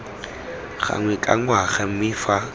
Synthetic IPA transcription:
χa̰ŋwɛkʼa̰ŋwaɣɛm̩mɪːfa

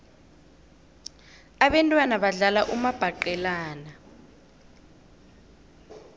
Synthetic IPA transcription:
aɓɛntʼwanaɓaɮalaʔumab̥ʱaǃɛlaːna

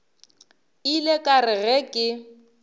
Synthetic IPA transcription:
ilekʼarɪɣɛkʼɪ

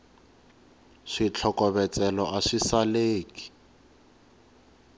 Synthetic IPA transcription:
ʂit͡ɬʰɔkɔβɛt͡sʼɛlɔʔaʂisaleːki̥

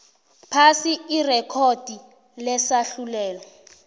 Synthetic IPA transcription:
pʰasiirɛkʰod̥ʱi | lɛsaɬulɛːlɔ

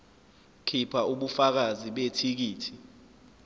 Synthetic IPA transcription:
kʰipʰaʔuɓufak̬aziɓetʰik̬iːtʰi

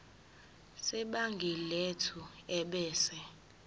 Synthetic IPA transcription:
sɛɓaŋɡʱiletʰuɛɓɛːsɛ

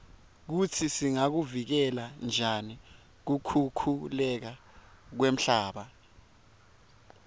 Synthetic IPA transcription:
k̬utʰisiŋak̬uvik̬ɛland͡ʒʱani | k̬ukʰukʰulɛk̬a | k̬wem̩ɬaːɓa

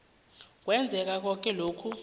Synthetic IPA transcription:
k̬wɛnd͡zʱɛk̬ak̬ɔk̬ʼɛloːkʰu

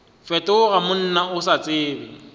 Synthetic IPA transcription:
fɛtʼʊʊɣamʊn̩naʊsat͡sʼɪːbɪ

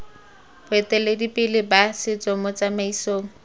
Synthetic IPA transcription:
bʊɛtɛledipɪlɪbasɪt͡sɔmɔt͡samaisoːŋ̩

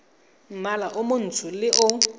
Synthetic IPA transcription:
m̩malaʔʊmʊn̩tʰʊlɪʔʊ

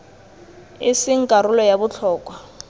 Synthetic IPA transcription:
ɪsɪŋ̩kʼaɾʊlɔjabʊt͡ɬʰɔːkʼwa

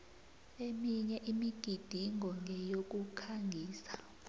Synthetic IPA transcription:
emiɲɛʔimiɡ̥ʱid̥ʱiŋʱɔŋʱɛjok̬ʼukʰaŋɡʱiːsḁ

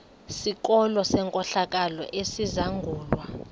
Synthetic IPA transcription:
sik̬ʼɔlɔsɛŋkʼɔɬak̬ʼalɔ̰ʔesizaŋɡʱuːlwa

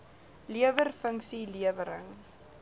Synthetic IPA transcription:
liəvərfəŋksiliəvəɾəŋ

